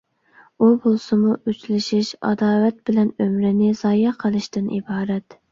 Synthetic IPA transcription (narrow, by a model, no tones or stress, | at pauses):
ubolˠsɨmuʔyt͡ʃlɪʃiʃɑ̰d̪ɑːwɛt̪̚bɪlɛnømɾɪnɪzɑːjɑqʰəlˠɨʃt̪ɨnʔḭbɑːɾɛt̪